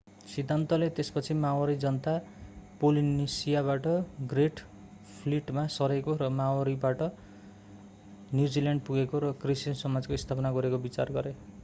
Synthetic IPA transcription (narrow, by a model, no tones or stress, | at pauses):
sid̪ʱːant̪ʌlet̪espʌt͡sʰimawʌɾid͡zʌnʌt̪a | polinesijaβaʈʌɡreʈ | pʰliʈmasʌɾekoɾʌmawaɾibaʈʌ | njud͡zilaɳɖ̚puɡekoɾʌkrisinsʌmad͡zkoist̪ʰapʌnaɡʌɾekobit͡sa̰rɡʌɾe